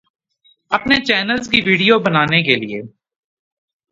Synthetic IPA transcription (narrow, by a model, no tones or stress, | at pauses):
ɐpnet͡ʃɛːnəlzkiʋiːɖijobənaːnek̬elɪḛː